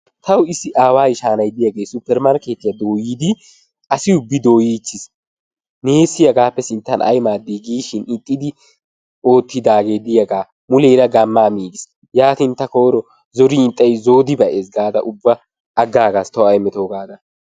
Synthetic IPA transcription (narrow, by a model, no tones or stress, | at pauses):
t̪ʰɐwɪsːɪʔaːwaːjɪʃaːnɐjd̪ɪjɐɡe̞ːsʊpːɛɾmɐnke̞ːt̪ːɪjɐd̪o̞ːjiːd̪ɪ | ʔɐsɪjʊbːɪd̪o̞ːjiːt͡ʃːɪs | neːsːɪjɐɡaːpːɛsɪnt̪ːɐnʔɐ̰jmaːd̪iːɡiːʃɪnɪt̪ʼːɪd̪ɪ | o̞ːt̪ːɪd̪aːɡe̞ːd̪ɪjɐɡaː | mʊleːɾɐɡɐmːaːmiːɡɪs | jaːt̪ɪnt̪ːɐkoːɾɔ | zɔɾiːnt̪ʼːɐjzo̞ːd̪ɪbɐʔeːs̬ɡaːd̪ɐ̰ʔʊbːɐː | ɡːaːɡaːst̪ɐwɐjmɛt̪oːɡaːd̪ɐ